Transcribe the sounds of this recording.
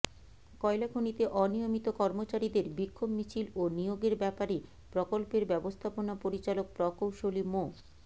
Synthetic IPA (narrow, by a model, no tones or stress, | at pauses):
kɔelaɡʱonit̪eʔɔnijomit̪okɔɾmot͡ɕaɾid̪eɾbikʰːobmit͡ɕʰilonijoɡeɾbɛpaɾe | pɾokolpeɾbɛbost̪ʰaponapoɾit͡ɕalok̚pɾɔkowʃolimo